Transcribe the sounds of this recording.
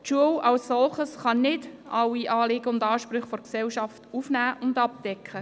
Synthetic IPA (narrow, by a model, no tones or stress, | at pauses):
tʃuəwɑlsːɔlχəsχɑnɪdʔɑwːiʔɑːlɪɡəʊndɑːʃpɾʏχfɔɾksɛwʃɑftufnæːʔʊndɑp̚d̥ɛkχə